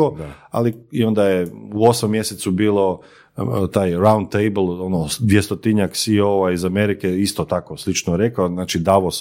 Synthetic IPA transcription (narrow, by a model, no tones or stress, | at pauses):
oa̰liio̞nd̪ajeuo̞smomːjeset̪subiːlˠo̞ | t̪aːjɾawnd̪t̪ejblˠonod̪ʋjest̪ot̪iɲaksioʋaizame̞ɾikeist̪ot̪akoslit͡ʃnoɾe̞kaonaːt͡ʃid̪aʋos